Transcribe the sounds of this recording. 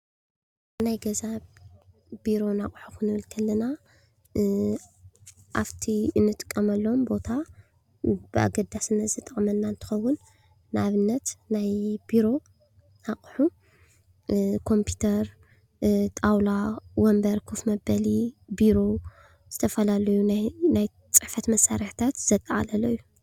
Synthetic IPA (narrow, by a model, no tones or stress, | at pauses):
najɡɐzaβ | b̥iɾo̞nakʼħuxɨnɨβɨlkʰɐlːɐna | ʔaβt̪ʰiɨnːɨt̪ʼɨ̥kʼːɐmɐlːoombo̞t̪ʰa | b̥ɨʔa̰ɡɐd̪asɨnɐzɨt̪ʼɐχʼmɐnːaɨnt̪ʰɨ̥xɐwːʊnː | aβɨnːɐt̪najbiɾo̞ | akʼħu | kʰo̞mpʰu̥t̪ʰɐɾ | t̪ʼawlawɔmbɐɾkʰufmɐbɐlibiɾo̞ | z̥ɨt̪ʰɐfɐlalɐjunajnaj | t͡sʼɨħfɐt̪mɐsːaɾiħt̪ʰat̪z̥ɐt̪ʼɐʕa̰lɐlɐjːu